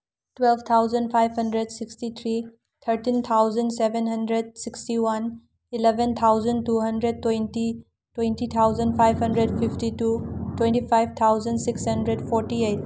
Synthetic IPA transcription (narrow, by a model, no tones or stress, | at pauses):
twelbt̪ʰawzɐndpʰajbɦɐndɾedsikstit̪ʰɾi | t̪ʰɐɾtint̪ʰawzɐndsebenɦɐndɾed̚sikstiwan | ilebent̪ʰawzɐntuɦɐndɾed̚tːwejnti | twejntit̪ʰawzɐnpʰajbɦɐndɾedpʰipʰtitutwẽntipʰajb̚t̪ʰawzɐndsikshɐndɾedpʰoɾtiejt̚